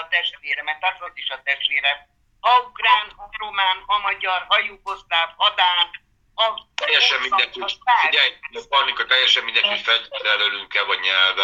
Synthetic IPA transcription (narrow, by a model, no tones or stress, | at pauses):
t̪ɛʃt̪veːɾɛmɛrt̪aːt̪ɔt̪iʃɒt̪ɛʃt̪ʋeːɾɛ | ɒukraːnromaːnɒmɒɟɒrɦɒjuːko̞st̪aːvɒd̪aːd | ɒt̪ɛjːɛʃɛmːind̪ɛŋaɛopɒikɒt̪ɛjːɛʃɛmind̪ɛŋkifɛlt̪ɛlølyŋkɛvɒɟɲɛlvɛ